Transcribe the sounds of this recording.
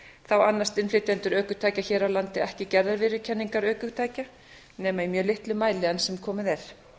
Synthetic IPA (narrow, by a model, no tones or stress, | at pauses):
θawanːast̪ɪnflɪt̪ɛnt̪ʏɾœːkʏt̪ʰaːjcaçɛːɾawlant̪ɪɛhcɪcɛɾðaɾvɪːɾʏcʰɛnːiŋkaɾœːkʏt̪ʰaːjca | nɛːmaimjœːlɪht̪lʏmaːjlɪansɛmkʰɔːmɪðɛɾ̥